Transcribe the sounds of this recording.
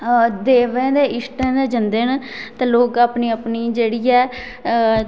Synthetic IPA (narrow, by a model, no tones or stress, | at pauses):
d̪eːʋɛ̃ːd̪eːɪsʈɛ̃ːd̪eːd͡ʒənd̪ent̪ɛ̃ːloːkaːpniːəpniːd͡ʒeːɽiːɛː